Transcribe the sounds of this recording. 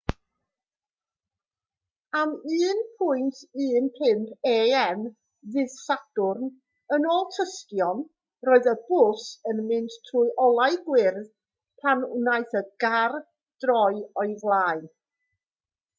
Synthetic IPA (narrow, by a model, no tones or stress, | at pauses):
amiːnpʰʊjntʰiːnpʰɪmpʰeːɛn | ðɪðsadʊrn | ənoːlˠtʰəstjɔn | roːɨðəbʊsənmɪnttʰruɨʔɔlˠajɡwɪrð | pʰanunajθəɡar | d̥rɔjɔɨvlˠaːɨ